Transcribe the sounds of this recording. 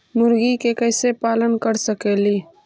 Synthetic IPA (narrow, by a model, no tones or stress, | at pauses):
mʊɾɡikekɛːsepaːlənkəɾsəkeːliː